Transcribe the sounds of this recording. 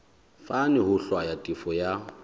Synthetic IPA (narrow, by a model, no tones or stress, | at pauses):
fanɪɦʊɬwajatʼifɔja